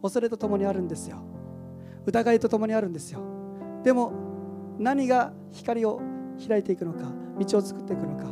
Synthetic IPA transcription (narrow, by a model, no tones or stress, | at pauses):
o̞so̞ɾe̞t̪o̞t̪o̞mo̞ɲ̟iaɾɯ̟̃nd̪e̞sɨjo̞̰ | ɯ̟t̪aɡait̪o̞t̪o̞mo̞ɲ̟iaɾɯ̟̃nd̪e̞sɨjo̞ | d̪̥e̞mo̞ | naɲ̟iɡa | çi̥kaɾʲio̞çiɾait̪e̞ikɯ̟no̞kamʲit͡ɕio̞t͡sɨ̥kɯ̥t̪ːe̞ikɯ̟no̞ka